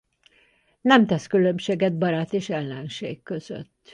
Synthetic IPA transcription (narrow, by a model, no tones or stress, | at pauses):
nɛmt̪ɛskylømʃeːɡɛd̪̚bɒɾaːt̪eːʃɛlːɛnʃḛːkːø̞zø̰t̪ː